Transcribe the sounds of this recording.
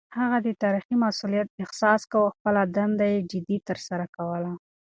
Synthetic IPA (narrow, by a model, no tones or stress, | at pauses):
haɣad̪ət̪ɑɾiximasulijat̪̚ɪxsɑskawəxpəlad̪and̪ajed͡ʒɪd̪it̪əɾsaɾakawəla